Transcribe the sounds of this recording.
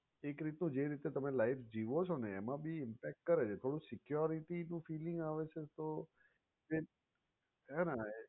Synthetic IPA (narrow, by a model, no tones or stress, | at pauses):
ekɾit̪nũd͡ʒeɾit̪et̪əmelaifd͡ʒiʋot͡ʃʰoneːmãbʱiɪmpɛk̚ʈkəɾet͡ʃʰet̪ʰoɽ̃ũsɪkjɔɾiʈinũfilɪŋɡaʋet͡ʃʰet̪o | e | ɦɛnã